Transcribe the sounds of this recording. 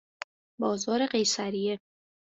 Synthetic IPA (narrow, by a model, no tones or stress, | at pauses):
bɒːzɒːɾe̞ɢe̞jsæɾije